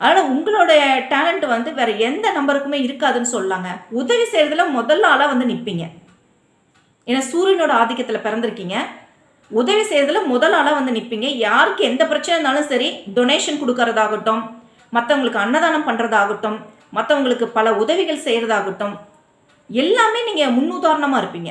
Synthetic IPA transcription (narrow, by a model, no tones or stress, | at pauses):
ɐːðaːnaːʊŋɡɐɭoːɽɐjɐʈaːlɐɳʈɯʋɐnd̪ɯʋeːɾɐɛnd̪ɐnɐmbɐɾɯkːɯmeːɪɾɯkːaːðɯnːɯsɔllaːŋɡɐʊðɐʋisɛjɾɐðɐlɐmɔðɐlːaːlãːʋɐnd̪ɯnɪpːiːŋɡɐ | ɛnːasuːɾɪnoːɽɐaːðɪkːɐt̪ːɪlɐpɪɾɐnd̪ɪɾɯkːiːŋɡɐ | ʊðɐʋisɛjɾɐðɪlɐmɔðɐlaːlãːʋɐnd̪ɯnɪpːiːŋɡɐjaːɾɯkːɯɛnd̪ɐpɪɾɐt͡ʃːɐnɛnːaːlɯ̃sɐɾiɖɔneːʂɐnkɔɽɯkːɐɾɐðaːɣɐʈːɯmː | ɐt̪ːɐʋɐŋɡɐɭɯkːɯɐnːɐðaːnɐmpɐɳɾɐðaːɣɐʈːɯmː | ɐt̪ːɐʋɐŋɡɐɭɯkːɯpɐlɐʊðɐʋɪɣɐɭsɛjɾɐðaːɣɐʈːɯ̃m | ɛlːaːmeːniːŋɡɐmʊnːʊðaːɾɐɳɐmaːɪɾɯpːiːŋɡɐ